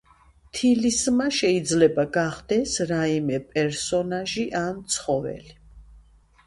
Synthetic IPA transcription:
t̪ʰilismaʃɛid̪zlɛbaɡaχd̪̥ɛsɾaimɛpʼɛɾsɔnaʒiʔant̪sʰχɔvɛ̰li

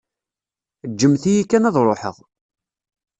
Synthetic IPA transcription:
d͡ʒːəmθijikːænæðˤɾˤoħə̰ðˤ

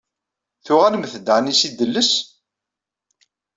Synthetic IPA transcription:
θʊʁæləmθəd̪ʕnisid̪ːəlːəs

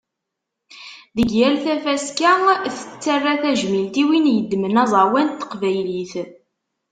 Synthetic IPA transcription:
ðəɡjælθæfæskæθə̥t͡sːərːæθæʒmilt̪iwinjəd̪ːmənɑzˤɑwænt̪ːə̥qvæjliθ

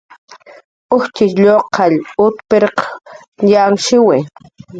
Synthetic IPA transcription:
ʊxt͡ʃɪʃʎoqʰɑʎʊt̪peɾq | ʎaŋʃɪwɪ

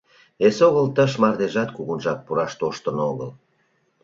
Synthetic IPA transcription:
esoɣəlt̪əʃ̬mɑrd̪eʒɑt̪̚kuɣunʒɑk̚puɾɑʃt̪oʃt̪ənoɣəl

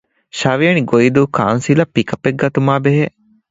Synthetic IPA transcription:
ʃaʋijɐniɡoid̪uːkʰa̰ːnsilɐpːikɐpːek̚ɡɐt̪umaːbeɦe

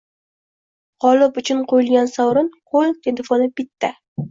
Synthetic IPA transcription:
qʰɒlɪpʊt͡ʃʰʊnqʰojɪlˠɡʲansawɾɪnqʰolˠt̪ʰelefonɪbɪt̪ʰːa

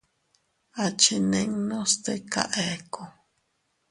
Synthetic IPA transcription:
at͡ʃineŋnost̪eka̰ʔeko

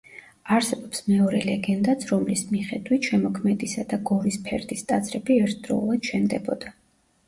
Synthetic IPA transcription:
aɾsɛbɔpsmɛɔɾɛlɛɡɛnd̪at̪sʰɾɔmlismiχɛd̪wit̪ʃɛmɔkʰmɛd̪isad̪aɡɔɾispʰɛ̰ɾd̪ist̪ʼad̪zʰɾɛbiɛɾt̪ʰd̪̥ɾɔ̰ulˠad̪̥ʃɛnd̪ɛbɔd̪a

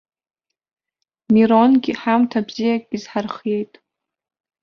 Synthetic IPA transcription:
miɾonɡʲiħamtʰabzijakʼizħarχe̞jtʼ

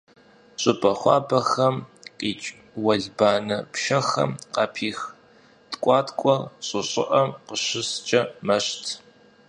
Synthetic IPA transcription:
ɕʼɨpʼɐχʷɑːbɐxɐmqʼiːt͡ʃʼ | wɐɮbaːnɐpʃɐxɐ̰mqɑːpʰiːx | tkʷʼɑːtkʷʼɔrɕʼɨɕʼɪ̰ʔɐmqəɕɪst͡ʃʼɐmɐɕtʰ

